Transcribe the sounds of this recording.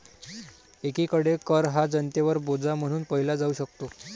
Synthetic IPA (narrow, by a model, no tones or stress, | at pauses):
ekikəɽekəɾɦad͡zənt̪eʋəɾbod͡zam̤əɽ̃uːnpəɦilad͡zauːɕəkt̪o